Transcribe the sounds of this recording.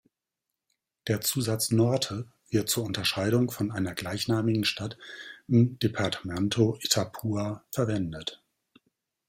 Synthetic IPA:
d̥eːɐt͡suːzat͡snɔɐtʰə | v̥ɪɐt̚t͡suːɐʊntɐʃaɪɾʊŋfɔnaɪnɐɡlaɪçnaːmɪɡŋ̩ʃtatʔɪmd̥epʰaɐtʰmɛntʰoʔetʰapʰuːafɛɐvɛndət

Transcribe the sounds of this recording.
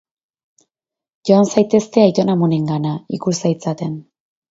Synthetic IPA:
ʝo̞ansajt̪e̞st̪e̞ajt̪o̞namo̞neŋɡanaikusajt͡sat̪e̞n

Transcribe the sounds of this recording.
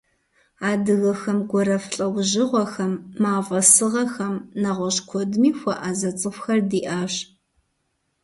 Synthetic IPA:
aːdɨɣɐxɐmɡʷɔɾɐfɬʼɐwʑɪʁʷɔxɐmːaːvɐsɨʁɐxɐmnɐʁʷɔɕkʷʰɔdmiːxʷɔʔazɐt͡sʼɨfxɐrdiːʔaːɕ

